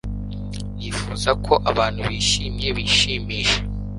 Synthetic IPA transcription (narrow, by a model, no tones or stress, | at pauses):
nifuːzakʰo̞ʔaβaːn̥huβiʃimɲe̞βiʃiːmiːʃe